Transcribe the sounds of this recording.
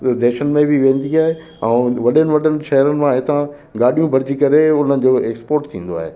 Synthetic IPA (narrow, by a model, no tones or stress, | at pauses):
d̪eːʃənɪ̆mẽbɪʋẽːnd̪iaːɦe | ɛ̃ːʋɐɗənɪ̆ʋɐɗənɪ̆ʃɐɦəɾənɪ̆mãɦɪt̪ã | ɡaːɗijũbʱɐɾd͡ʑikɐɾeʊn̤ənɪ̆d͡ʑoːeːkspoːɾʈt̪ʰĩːn̆d̪oa̰ːɦḛː